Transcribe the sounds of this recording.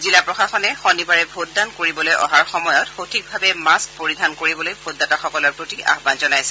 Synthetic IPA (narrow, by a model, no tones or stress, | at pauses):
zilapɹɔxaxɔnɛxɔnibaɹɛbʱot̚dankoɹibɔlojɔ̰ɦaɹxɔmɔjɔtxotʰik̚bʱabɛmaskpoɹidʱankoɹibɔlojbʱotdataxɔkɔlɔɹpɹotiʔa̰xbanzɔnajsɛ̥